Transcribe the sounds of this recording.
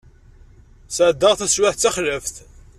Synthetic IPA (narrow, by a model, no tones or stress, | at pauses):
səʕd̪ːəʁθæswaħt͡sːaχləfθ